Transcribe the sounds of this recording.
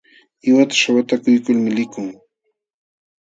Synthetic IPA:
ɪwat̪ḁʃawat̪akʊjkʊlmɪlɪkʊŋ

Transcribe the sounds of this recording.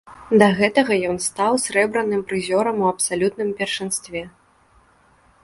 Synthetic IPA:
d̪ɐɣɛt̪ɐɣɐjɔnst̪awsʲɾɛbɾɐnɨmpɾɨzʲɔɾɐmuɐpsalʲut̪nɨmpʲɛrʂɨnst̪vʲɛ

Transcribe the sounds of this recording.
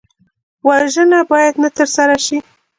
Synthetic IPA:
waʒənabɑjad̪nat̪əɾsaɾaʃi

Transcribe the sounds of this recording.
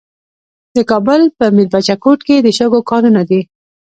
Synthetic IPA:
d̪əkɑbʊlpəmiɾbat͡ʃakoʈked̪əʃəɡokɑɾunad̪i

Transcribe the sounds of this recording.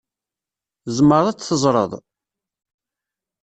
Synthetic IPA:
zməɾˤæt͡sθəzˤɾˤə̰ðˤ

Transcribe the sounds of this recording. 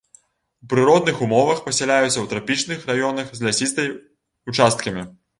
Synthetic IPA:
upɾɨɾɔd̪̚nɨxumɔvɐxpɐsʲɛlʲajut̪sʲːɐwt̪ɾapʲit͡ʂnɨxrajɔnɐxzʲlʲasʲist̪ɐj | ut͡ʂast̪̚kɐmʲi

